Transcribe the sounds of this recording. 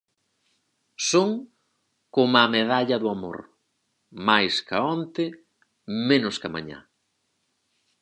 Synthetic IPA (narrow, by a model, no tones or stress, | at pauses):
soŋ | komameðaʎɐðʊamo̰ɾ | majskaont̪ɪ | menʊskama̰ɲa̰